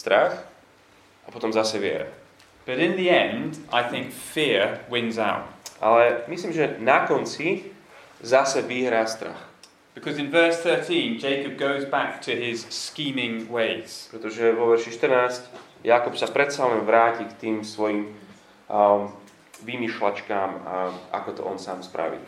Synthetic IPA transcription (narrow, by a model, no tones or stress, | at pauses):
st̪ɾax | ʔapɔt̪ɔmzasɛʋɪɛ̰ɾa̰ | b̥ʌɾɪ̃nðiɛ̃ndaɪθɪ̃ŋkfɪɹwɪ̃nza̰ʊt̚ʔa̰lɛmisliːmʒɛnakɔnt͡si | zasɛʋiɦɾaːst̪ɾa̰x | b̥ɪkʰʌzɨ̃nvɜˑ˞sθɜˑ˞tʰĩnd͡ʒeɪkɨb̚ɡoʊzbak̚tʰɨɪz̥skĩːmɪ̃ŋweɪz̥pɾɛt̪ɔʒɛʋɔʋɛɾʃiʃt̪rnaːsc | jakupsapɾɛt̪salɛnʋɾaːcikt̪iːmsʋɔjiːm | ʋimiʃla̰t͡ʃkaːmaʔa̰kɔt̪ɔ̰ʔɔnsaːmspɾa̰ʋḭ